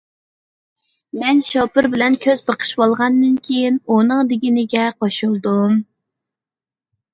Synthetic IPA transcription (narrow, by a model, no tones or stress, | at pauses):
mɛnʃɑpɨɾbɪlɛnkʲʰøzbəqʰə̥ʃwolˠʁɑnːɨnkʲʰejinunɨŋd̪ɪɡʲinɪɡʲɛqoʃulˠd̪um